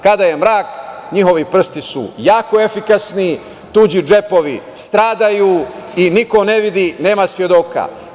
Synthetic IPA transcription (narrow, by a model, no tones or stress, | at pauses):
kad̪aje̞mɾaːkɲiɦo̞ʋipr̩st̪isṵjaːkoe̞fikasni | t̪uːd͡ʑid͡ʒe̞po̞ʋḭst̪ɾaːd̪ajuiniko̞neʋid̪ine̞ːmasʋje̞d̪o̞ka̰